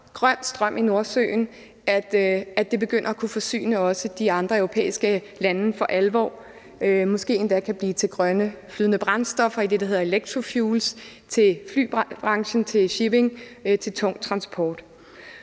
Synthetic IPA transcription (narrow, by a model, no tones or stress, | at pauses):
ɡ̥ʁɶn̰sd̥ʁɶm̰ʔino̝ɐsø̰ɪn | æd̥æd̥e̝b̥e̝ɡ̥øn̰ɐækʰufɒ̽sy̰ːnəɒ̽səd̥iɑ̈nd̥ʁɐœʊo̝pʰḛːisɡ̥ə | lænnəfɒ̽ʔælʋɒ̰ː | ømɒ̽sɡ̥e̝̰ːend̥ækʰæb̥liːt͡sʰe̝lɡ̥ʁɶnəflyːðˠnəb̥ʁɑ̈nsd̥ɒ̽fɐid̥e̝d̥æɦe̝ðˠɐe̝leɡ̥̚t͡sʰʁo̝fjuːls | t͡sʰe̝lfly̰ːbb̥ʁɑ̈ŋɕn̩t͡sʰe̝lɕib̥e̝ŋt͡sʰe̝lt͡sʰɔ̽ŋ̰t͡sʰʁɑ̈nsb̥ʰɒːd̥